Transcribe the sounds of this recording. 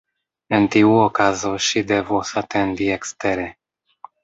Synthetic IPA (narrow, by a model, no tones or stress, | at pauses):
entiuokazo̞ʃide̞vosate̞ndiekste̞ɾe